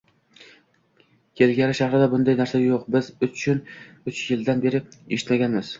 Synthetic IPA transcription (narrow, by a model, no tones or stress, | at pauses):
kʲʰe̞lɡʲaɾɪʃahɾɪd̪abʊnd̪ajnaɾsajoqbɪzʊt͡ʃʰʊn | ʊt͡ʃjɪld̪anbe̞ɾɪeʃɪ̥t̪maɡʲanmɪz̥